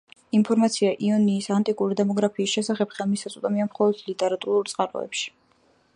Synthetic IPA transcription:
impʰɔɾmat̪sʰiaʔiɔniːsant̪ʼikʼuɾid̪ɛmɔɡɾapʰiːsʃɛsaχɛpχɛlˠmisat̪sʼut̪ʼamiamχɔlˠɔd̪̥lit̪ʼɛɾat̪ʼuɾuɾt̪sʼqʼaɾɔ̰ɛ̰pʃi̥

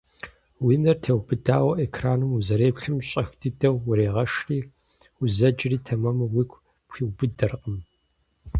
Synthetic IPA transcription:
winɐrtʰɐwbɨdaːwɐʔekʰraːnɨmuzɐɾeːpɬɨmɕʼɐxd̥ʰɨdɐwːʊɾeːʁɐʂriː | ʊzɐd͡ʒriːtʰɐmɐmɐwikʷʰ | pxiwbɨdɐrqəm

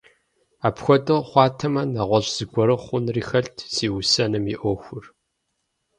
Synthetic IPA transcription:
aːpxʷɔtʼɨχʷɑːtʰɐmɐnɐʁʷɔɕz̥ɨɡʷɔɾɨχʷʊnriːxɐɬtʰsiːwʊsɐnɨmiʔʷɔːxʷʊr

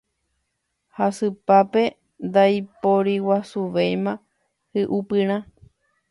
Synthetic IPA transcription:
hasɨpape̞ | nd̪ajpoɾiwasuʋejmã | hɨʔupɨ̃ɾ̃ã

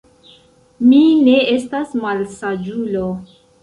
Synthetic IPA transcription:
mine̞e̞stasmalsad͡ʒulo

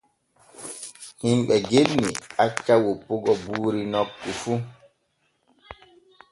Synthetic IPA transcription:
himɓɛɡenːḭat͡ʃːawopoɡɔbuːɾinɔkːufu

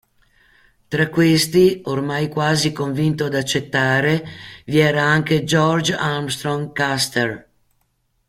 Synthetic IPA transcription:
t̪ɾakːwest̪iormajkwaːzikoɱvint̪od̪at͡ʃːet̪ːaːɾeviɛːɾaaŋked͡ʒɔɾd͡ʒaɾmst̪ɾoŋkast̪er

